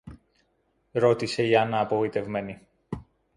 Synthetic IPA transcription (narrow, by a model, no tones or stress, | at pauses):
ɾo̞t̪ise̞iɐnɐːpovit̪e̞vme̞ni